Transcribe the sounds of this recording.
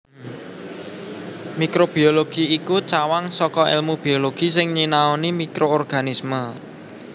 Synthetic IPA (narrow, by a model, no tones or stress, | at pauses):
mikɾob̥ioloɡ̥iikut͡ʃawaŋsɔkɔɛ̰lmub̥ioloɡ̥isɪŋɲinaonimikɾoorɡ̥anismə